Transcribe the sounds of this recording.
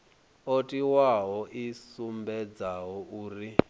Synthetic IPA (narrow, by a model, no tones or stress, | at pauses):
otʼiwaɦɔʔisumbɛd͡zaɦɔuːri